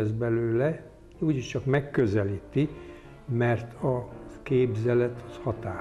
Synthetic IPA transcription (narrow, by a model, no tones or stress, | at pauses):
ɛzbɛløːlɛ | uːɟiʃt͡ʃɒkmɛkːøzɛliːt̪i | mɛrt̪ʰɒkeːbzɛlɛt̪ɒshɒt̪aː